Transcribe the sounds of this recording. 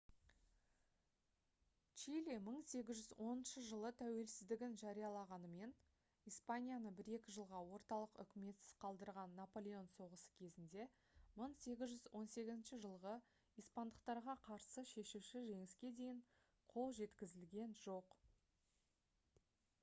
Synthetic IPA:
t͡ʃilʲiməɴse̞ɡʲɪzʒʏzwʔo̞nənʃəʒəlˠət̪ʰæwe̞lsɪzd̪ɪɡʲɪnʒɑɾijɑlˠɑʁɑnəme̞n | ijspanʲijanəbɪɾe̞kʲɪʒəlˠʁɑwo̞ɾt̪ɑlˠəqʏ̰kʲɪme̞t̪sɪz̥qʰɑlˠd̪əɾʁɑnːapo̞lʲe̞o̞nso̞ʁəsə̥kʲʰe̞zɪnd̪e̞ | məɴse̞ɡʲɪzʒʏzwo̞nse̞ɡʲɪzɪnʃɪʒəlˠʁə | ijspand̪əqt̪ɑɾʁɑqʰɑɾsəʃe̞ʃuʃɪʒe̞ŋɪskʲe̞d̪e̞jɪɴ | qʰo̞lˠʒe̞t̪kʲɪzɪlɡʲe̞nʒo̞q

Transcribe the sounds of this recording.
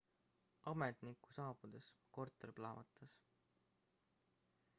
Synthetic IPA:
ɑmet̪nikːˑu̥sɑːb̥ud̪̥esko̞rt̪ːˑeɾiplɑːvɑt̪ːˑɑs

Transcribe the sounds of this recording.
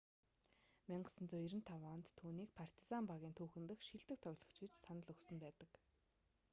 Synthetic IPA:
miɴɢə̆sə̆nt͡sʊjiɾɘ̆nt̪ʰawɔːnt̪ʰːuːniːk̚pʰar̥t̪i̥sampaɣʲiːnt̪ʰuːxɘ̆nt̪ə̆xʃiɮt̪ɘ̆k̚t̪ʰɔɣʲɮɞ̆kt͡ɕɡĭt͡ɕsanə̆ɮɵxsɵ̆mpæːt̪ə̆k

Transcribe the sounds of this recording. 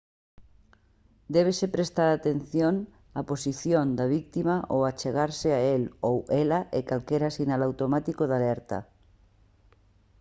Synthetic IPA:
d̪ɛβ̞esepɾest̪aɾat̪en̟θjoŋ | aposiθjond̪aβ̞ik̚t̪imaʔowat͡ʃeɣaɾseaelowɛlaʔekalkɛɾasinalawt̪omat̪ikoðalɛɾt̪ɐ̰

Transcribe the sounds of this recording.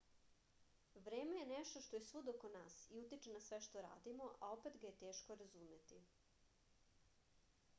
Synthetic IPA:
ʋɾeːme̞jenɛʃt̪o̞ʃt̪o̞je̞sʋud̪okonaːsiut̪it͡ʃenasʋeʃt̪oɾa̰ːd̪imo̞ʔao̞pet̪ɡajet̪eːʃkoɾazume̞t̪i

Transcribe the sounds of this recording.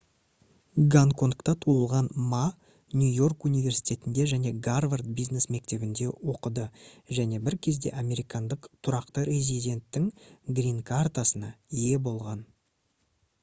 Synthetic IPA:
ɡaŋko̞nkt̪ɑt̪ʰuəlˠʁɑnma | nʲujo̞rkunijvʲe̞ɾsi̥jt̪ʲʰe̞t̪ɪnd̪e̞ʒæne̞ɡarvart̪̚bijzne̞sme̞k̚t̪e̞bɪnd̪e̞wo̞qəd̪əʒæne̞bɪɾkʲʰe̞zd̪e̞̰ʔame̞ɾijkɑnd̪əqt̪ʰʊɾɑqt̪əɾʲe̞zid̪ʲe̞nt̪ːɪŋɡrʲiŋkʰart̪asənɑije̞bo̞lˠʁɑn

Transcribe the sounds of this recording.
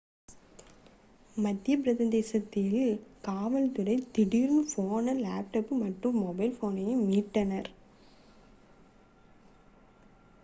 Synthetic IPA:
mɐd̪ːjɐp̬ɪɾɐðɐnd̪eːsɐt̪ːɪlkaːʋɐlt̪ɯɾɐɪt̪ɪɽiɾmɯfoːnɐlaːp̚ʈɐːpːɯmɐʈrɯmːɔbɐɪlfoːnɐjɪmiːʈːɐnɐɾ

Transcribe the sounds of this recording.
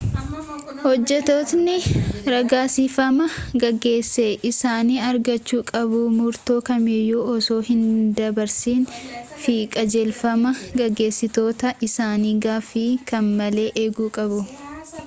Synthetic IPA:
hɔd͡ʒːɛt̪ot̪nɪɾɐɡaːsifɐmɐɡɐɡːe̞ːsːeːʔɪsaːniːɐɾɡɐt͡ʃːuːkʼɐbumʊɾt̪oːkɐmɪjːuːɔsoːhɪnd̪ɐbɐɾsiːnfiːkʼɐd͡ʒɛlfɐmɐɡɐɡːe̞ːsːɪt̪o̞ːt̪ɐʔɪsaːniːɡaːfikɐnmɐle̞ːʔeːɡuːkʼɐbʊ

